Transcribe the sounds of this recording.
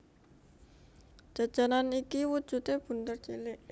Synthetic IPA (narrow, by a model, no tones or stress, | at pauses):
ʒ̥a̤d̥ʒ̥a̤nanikiwu̥ʒ̥ṳt̪eb̥ṳnt̪ərt͡ʃilɪʔ